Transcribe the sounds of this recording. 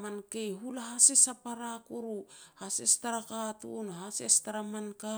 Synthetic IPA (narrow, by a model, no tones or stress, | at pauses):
mankejɦulaɦasesapaɾakuɾuhasestaɾakatṵnɦasestaɾamanka